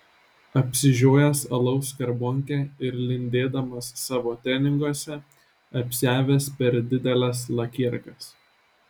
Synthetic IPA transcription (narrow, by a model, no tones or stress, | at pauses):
ɐpʲsʲɪʒʲoːjɛsɐlˠɒʊskɐɾboːŋʲkʲæːɪɾlʲɪnʲd̪ʲeːd̪ɐmɐsːɑːʋoːt̪ʲænʲɪŋɡuɔsʲɛ | ɐpʲsʲæːʋʲespʲɛɾd̪ʲɪd̪ʲɛlʲɛs̬lˠɐkʲiɛɾkɐs